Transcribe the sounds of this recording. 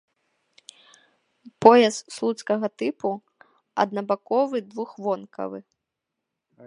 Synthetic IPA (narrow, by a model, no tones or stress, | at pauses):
pɔjɛsslˠut̪skɐɣɐt̪ɨpu | ɐ̰d̪̚nɐbakɔvɨd̪vuxvɔnkʰɐ̰vɨ̰